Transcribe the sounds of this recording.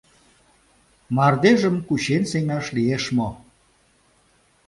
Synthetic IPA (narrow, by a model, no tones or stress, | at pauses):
mɑrd̪eʒəmkuɕenseŋɑʃlieʃmo